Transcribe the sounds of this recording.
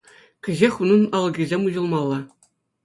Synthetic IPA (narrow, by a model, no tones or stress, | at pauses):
kʲɘ̆ʑexʲunɤ̆nɑlˠːɤ̆ɡʲizʲemʲuʑɤ̆lˠmɑlˠːɑ